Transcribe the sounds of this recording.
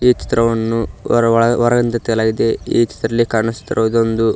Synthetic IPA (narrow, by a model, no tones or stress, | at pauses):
iːt͡ʃi̥t̪ɾɐʋɐnːu | ʋɐɾɐɡɐnt̪ɐt̪ɛɡɐlaːɡid̪e̞iːt͡ʃi̥t̪ɾɐlːikaːɾɐɳɐt͡ʃi̥t̪ːɐɾɐʋd̪ond̪u